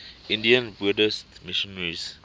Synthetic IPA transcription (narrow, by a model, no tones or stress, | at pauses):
ʔĩndiãnbudəstmiʃɔnɹis